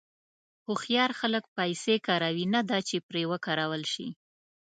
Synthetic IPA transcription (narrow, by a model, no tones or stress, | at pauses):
xoxjɑɾxalək̚pajsekɑɾawinad̪ɑt͡ʃepɾewəkɑɾawəlʃḭ